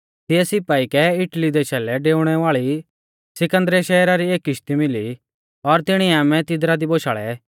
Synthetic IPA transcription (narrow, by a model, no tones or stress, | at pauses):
t̪ɪɛsɪpaːikɛɪʈlid̪ɛʃɛːlɛɖeːʊɽ̃ɛʋaːɭi | sɪkə̃nd̪ɾɛʃɛːɾaɾieːkɪʃt̪imɪli | ɔɾt̪ɪɽ̃iaːmɛ̃t̪ɪd̪ɾad̪iboːʃaːɭɛ̰